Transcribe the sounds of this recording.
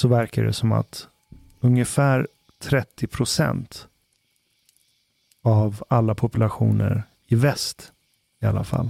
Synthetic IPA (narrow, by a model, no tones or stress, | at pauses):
sɔvæɾkadɛ̰sɔma̰t̪ | ɵŋjəfæːɾ | t̪ʰɾɛt̪ʰːɪpʰɾʊsɛ̰nt̪ | avalːapʰʊpɵlaɧuːnə̰ɾ | ɪvɛst̪ | ɪalːafa̰lː